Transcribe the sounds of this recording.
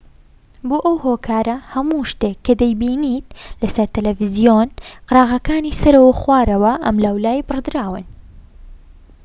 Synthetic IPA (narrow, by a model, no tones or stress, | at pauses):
boːʔɐwhoːkʰaːɾɐhɐmuːʃt̪ekʰːɐd̪ɐjbiːniːt̪̚lɐsɐɾt̪ɐlɐvɨzijonqɨɾɑːɣɐkaːniːsɐɾɐwɐxwaːɾɐwɐʔɐmlaːwlaːjbɨrd̪ɨɾaːwɨn